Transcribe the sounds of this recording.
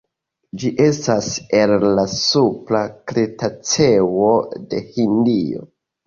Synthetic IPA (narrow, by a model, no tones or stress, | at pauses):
d͡ʒiʔe̞stase̞lːasuplakɾetat͡se̞wode̞hindio̰